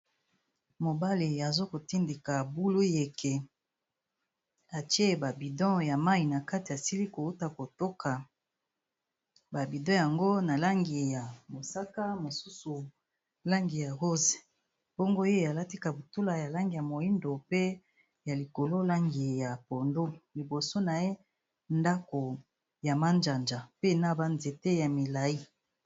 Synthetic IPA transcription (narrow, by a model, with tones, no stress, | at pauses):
mo˨ba˦li˨a˨zo˦ko˨ti˦ndi˨ka˨bu˦lu˦je˨kʰe˨ | a˨tje˦˨ba˨bi˨dɔ̃˦ja˨ma˦i˨na˨ka˦ti˨a˨si˦li˦ko˨u˦ta˨ko˨to˦ka˨ | ba˨bi˨dɔ̃˦ja˨ŋɡo˦na˨la˦ŋɡi˨ja˨mo˨sa˦ka˦mo˨su˦su˨ | la˦ŋɡi˨ja˨ʁo˦ze˨ | b̥o˦ŋɡo˦je˦˨a˨la˦ti˦ka˨bu˨tu˦la˨ja˨la˦ŋɡi˨ja˨mo˨i˦ndo˨pe˦ | ja˨li˨ko˨lo˦la˦ŋɡi˨ja˨po˨ndo˦li˨bo˨so˦na˨je˦ | nda˦ko˨ | ja˨ma˦nd͡ʒa˨nd͡ʒa˨pe˦˨na˦ba˨nze˨te˦ja˨mi˨la˨i˦